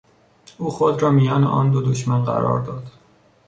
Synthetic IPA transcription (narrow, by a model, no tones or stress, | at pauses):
ʔuːxod̪ɾɒːmijɒːnḛʔɒːnd̪od̪oʃmænɢæ̰ɾɒ̰ːɾd̪ɒːd̪̥